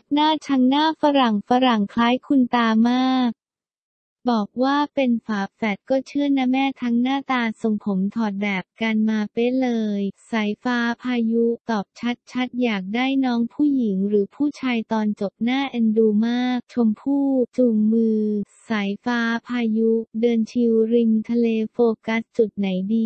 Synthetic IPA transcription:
naː˥˩t͡ɕʰa˦˥ŋnaː˥˩fa˧ɾa˨˩ŋfa˧ɾa˨˩ŋkʰlaː˦˥jkʰu˧nt̪aː˧maː˥˩k̚ | bɔː˨˩k̚waː˥˩pe˧nfaː˩˦˥p̚fɛː˨˩t̪̚kɔː˥˩t͡ɕʰɯ˥˩əna˦˥mɛː˥˩t̪ʰa˦˥ŋnaː˥˩t̪aː˧so˧ŋpʰo˩˦mt̪ʰɔː˨˩t̪̚bɛː˨˩p̚ka˧nmaː˧pe˦˥lɤː˧jsa˩˦jfaː˦˥pʰaː˧ju˦˥t̪ɔː˨˩p̚t͡ɕʰa˦˥t̪̚t͡ɕʰa˦˥t̪̚jaː˨˩k̚daː˥˩jnɔː˦˥ŋpʰuː˥˩ji˩˦ŋɾɯː˩˦pʰuː˥˩t͡ɕʰaː˧jt̪ɔː˧nt͡ɕo˨˩p̚naː˥˩ʔa˧nduː˧maː˥˩k̚t͡ɕʰo˧mpʰuː˥˩t͡ɕuː˨˩ŋmɯː˧sa˩˦jfaː˦˥pʰaː˧ju˦˥dɤː˧nt͡ɕʰi˧wɾi˧nt̪ʰa˧leː˧foː˧ka˦˥st͡ɕu˨˩t̪̚na˩˦jdiː˧

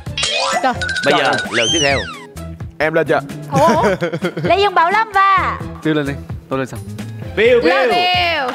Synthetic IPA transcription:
ɓə˧jzəː˨˩ləː˨˩t̪wi˦˥ɛ˧w | ʔɛ˧mləː˧˩nt͡ɕə̰ː˧˩ʔ | la˨˦zə˧˩ŋɓaː˨˦wlə˧˦mvaː˨˩t̪i˧wle˧nʔɛ˧jt̪o˧le˧nsaː˧wɓi˧˩wvi˧w

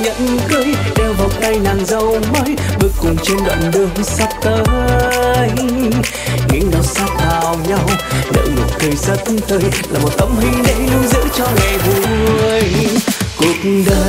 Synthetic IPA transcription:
ɲə̰˧˨nkɨ˧jɗɛ˧wva˨˩wt̪a˧jnaː˨˩ŋzə˨˧˩wməː˨˦jɓə˧jkʊ˨˩ŋ͡mt͡ɕe˧nɗə̰˧˨nɗɨ˧˩əŋsa˦˥t̚t̪əː˨˧ | j | ɲɨ̰˧˥ŋnə˨˩wsa˦˥k̚haː˨˩wɲa˧wɗə̰˧˥jmɨ˨˩t̚kə˨˧˩jsə˦˥t̚t̪ə˧jlaː˨˩mo˨˩t̚t̪ə˨˦˩mhï˧ŋ̟ɗə̰˧˥jnɨ˧əzɨ̰˧˥t͡ɕɔ˧ŋa˨˩jvu˨˩ŋɨ˨˩əjku˨˧˩ək̚ɗə˧

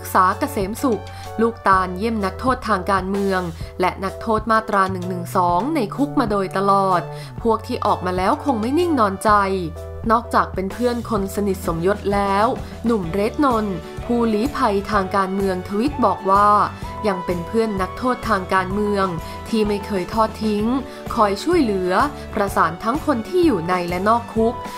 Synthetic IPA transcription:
ɾa˦˥k̚saː˩˦ka˧seː˩˦msu˨˩k̚ | luː˥˩k̚t̪aː˧nji˥˩əmna˦˥k̚t̪ʰoː˥˩t̪ʰːaː˧ŋkaː˧nmɯ˧əŋlɛ˦˥ʔna˦˥k̚t̪ʰoː˥˩t̪̚maː˥˩t̪ːɾaː˧nɯ˨˩ŋnɯ˨˩ŋsɔː˩˦ŋna˧jkʰu˦˥k̚maː˧doː˧jt̪a˧lɔː˨˩t̪̚ | pʰu˥˩ək̚t̪ʰiː˥˩ʔɔː˨˩k̚maː˧lɛː˦˥wkʰo˧ŋma˥˩jni˥˩ŋnɔː˧nt͡ɕa˧j | nɔː˥˩k̚t͡ɕaː˨˩k̚pe˧npʰɯ˥˩ənkʰo˧nsa˧ni˨˩t̪̚so˩˦mjo˦˥t̪̚lɛː˦˥w | nu˨˩mɾeː˦˥t̪̚no˧n | pʰuː˥˩liː˨˦˥pʰa˧jt̪ʰaː˧ŋkaː˧nmɯ˧əŋt̪ʰa˧wi˦˥t̪̚bɔː˨˩k̚waː˥˩ja˧ŋpe˧npʰɯ˥˩ənːa˦˥k̚t̪ʰoː˥˩t̪ʰːaː˧ŋkaː˧nmɯ˧əŋ | t̪ʰiː˥˩ma˥˩jkʰɤː˧jt̪ʰɔː˥˩t̪ʰːi˦˥ŋ | kʰɔː˧jt͡ɕʰu˥˩əjlɯ˩˦ɐ | pɾa˧saː˩˦nt̪ʰa˦˥ŋkʰo˧nt̪ʰiː˥˩juː˨˩na˧jlɛ˦˥nɔː˥˩kʰːu˦˥k̚

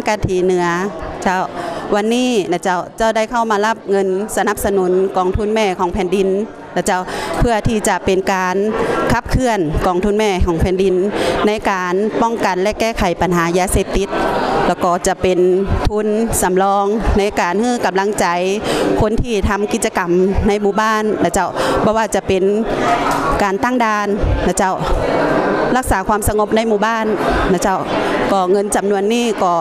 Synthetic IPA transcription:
ka˧t̪ʰiː˨˦nɯ˨˩˦ɐt͡ɕa˧˥˩wwa˧˨nːiː˧˥˨na˧˩t͡ɕa˧˩wt͡ɕa˧˥˩wda˧˥˨jkʰa˧˩wmaː˧˦la˧˩p̚ŋɤ˧nsa˧na˧˥p̚sa˧nu˨˦nkɔː˨˩ŋt̪ʰu˧˥˨nmɛː˧˩˨kʰɔː˨˦ŋpʰɛː˨˦ndi˨n | la˧˩t͡ɕa˧˩˨wpʰɯ˧ɐt̪ʰiː˧t͡ɕa˧˦pe˨nkaː˨nkʰa˧˩p̚kʰɯ˧ənkɔː˨˩ŋt̪ʰu˧˥˨nmɛː˧˩kʰɔː˨˦ŋpʰɛː˨˦ndi˨nːa˧˥jkaː˨npɔ˧˩˨ŋka˨nlɛ˧kɛː˧˥˩kʰa˨˩˦jpa˨nɦaː˨˦jaː˧seː˧p̚t̪i˧˦t̪̚lɛː˧˩wkɔː˧˩t͡ɕa˧˩pe˨nt̪ʰu˧˥˨nsa˨˦mlɔː˧ŋna˧˥jkaː˨nhɯː˧˥˨ka˨mla˧˥ŋt͡ɕa˨˦jkʰo˧˥˨nt̪ʰiː˧˩t̪ʰa˧˥mki˧˦t̪̚t͡ɕa˧ka˨mna˧˥jmuː˧˩baː˧˥˨nːa˧˩t͡ɕa˧˥˩wbʰɔː˧waː˧˩t͡ɕa˧˦pe˨n | kaː˨nt̪aː˧˥˩ŋdaː˧nːa˧˩t͡ɕa˧˩w | la˧˥˩k̚saː˨˦kʰwaː˧˥˨msa˧ŋo˧˦p̚na˧˥˨jmuː˧˩baː˧˥˨nːa˧˩t͡ɕa˧˩wkɔː˧˩ŋɤ˧˨nt͡ɕa˨˩mnu˧ənːiː˧˥˩kɔː˧˩

